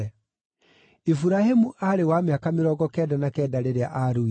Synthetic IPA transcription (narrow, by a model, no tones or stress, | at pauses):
ɛ | ifuɾahemuʔaɾewameakameɾɔɡɔkɛːdanakɛːdaɾeɾea̰ʔaɾu